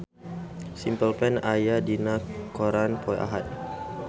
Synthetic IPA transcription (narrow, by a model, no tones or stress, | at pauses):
simpəlpɛnajadinakoɾanpɔja̰ɦat̪̚